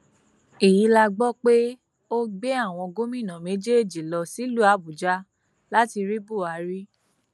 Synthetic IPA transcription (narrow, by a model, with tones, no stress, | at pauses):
e˨ji˨˦la˧ɡ͡bɔ˦k͡pe˦ | o˦ɡ͡be˦a˦˨w̃ɔ̃˧ɡo˦mĩ˦˨nã˨mẽ˨˦d͡ʒe˦e˦˨d͡ʒi˨lɔ˧si˨˦lu˦a˦˨bu˨d͡ʒa˦ | la˦ti˧ɾi˦bu˦˨a˨˦ɾi˦